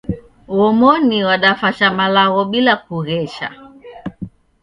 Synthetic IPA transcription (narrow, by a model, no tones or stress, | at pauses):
wɔmɔniwaɗafaʃamalaɣɔɓilak̚uɣɛʃa̰